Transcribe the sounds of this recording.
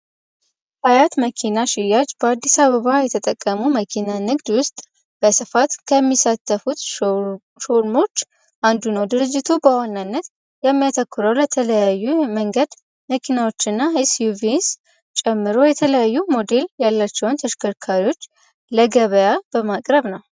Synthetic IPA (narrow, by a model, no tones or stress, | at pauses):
hajat̪məkʰinaʃɪjad͡ʒb̥əad̪ːisaβəβajɛt̪ʰət̪ʼəkʼːəmuməkʰinanɨɡd̪wʊst̪ʼ | b̥əsɨfat̪kʰəmːisat̪ʰːəfut̪ | ʃo̞ɾmo̞t͡ʃː | ʔand̪unəwd̪ɨɾɨd͡ʒːɪt̪ʰubəwanːanːət̪ | jɛmːijat̪ʰəkːʊɾəwlət̪ʰələjajːuməŋɡəd̪ | məkʰinawo̞t͡ʃːɪnːaisjuvins | t͡ʃʼɛmːɨɾo̞jɛt̪ʰələjajːumo̞d̪e̞ljalːat͡ʃːɛwʊnt̪ʰəʃkʰəɾkʰaɾiwo̞t͡ʃː | ləɡəβəjab̥əmakʼɾəβnəw